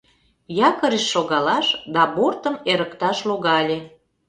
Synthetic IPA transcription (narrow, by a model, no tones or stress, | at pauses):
jɑkəɾeʃːoɣɑlɑʃd̪ɑbort̪əmeɾəkt̪ɑʃloɣɑlʲe